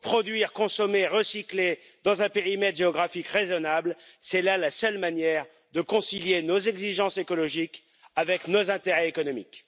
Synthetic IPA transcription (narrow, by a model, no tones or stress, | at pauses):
pχɔd̪ɥiʁkɔ̃sɔmeʁəsikle | d̪ɑ̃zɛ̃peʁimɛt̪ʒeɔɡʁafikʁezɔnablsɛlalasœlmanjɛʁ | d̪əkɔ̃siljenozɛɡziʒɑ̃sekɔlɔʒik | avɛknozɛ̃t̪eʁɛekɔnɔmḭk